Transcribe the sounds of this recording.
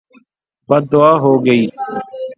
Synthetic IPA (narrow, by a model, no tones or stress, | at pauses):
bəd̪̚d̪ʊaːɦoːɡəiː